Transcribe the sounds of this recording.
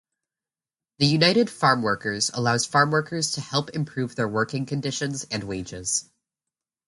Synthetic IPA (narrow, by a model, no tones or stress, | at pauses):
ðɨjʉnaɪɾɨd̥fɑɹmwɜ˞kə˞zə̰laʊz̥fɑɹmwɜ˞kʰə˞z̥tʰɨhɛlˠpɨ̃mpʰɹ̥ʉvðə˞wɜ˞kɪ̃ŋkʰɨ̃ndɪʃɨ̃nzɨ̃nweɪd͡ʒɪz̥